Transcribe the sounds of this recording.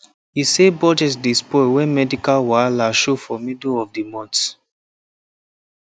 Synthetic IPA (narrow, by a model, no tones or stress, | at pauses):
hisebɔd͡ʒɛs̬dispɔwɛ̃nmɛdikalwalaʃofɔmidoɔfdimɔ̃nt